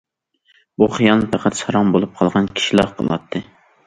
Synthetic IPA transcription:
buχijɑnˠpʰæqʰæt̪sɑɾɑŋbolˠup̚qʰɑlˠʁɑnkʲʰi̥ʃilˠɑqʰə̰lˠɑ̰t̪ʰːɨ

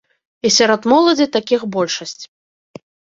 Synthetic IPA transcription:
isʲaɾɔd̪mɔlˠɐd͡zʲit̪akʲixbɔlʲʂɐsʲt͡sʲ

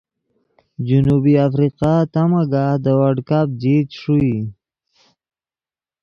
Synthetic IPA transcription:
d͡ʒunubiafɾiqat̪amaɡad̪əwaɖkap̚d͡ʒit̪ʂui

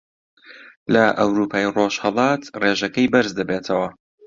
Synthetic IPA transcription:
lɐʔɐwɾuːpʰaːjroʃhɐlˠɑːt̪reːʒɐkɐjbɐɾzd̪ɐbeːt̪ʰɐwɐ

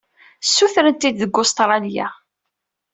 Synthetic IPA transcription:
sːuθɾənt̪id̪ðəɡʊst̪ɾˤɑlja̰

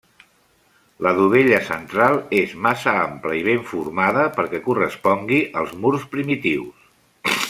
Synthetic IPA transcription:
ləðuβ̞eʎəsənt̪ɾalˠezmasəampləiβ̞eɱfuɾmað̞əpəɾkɛkurəspɔŋɡiʔəlˠzmuɾspɾimit̪iws

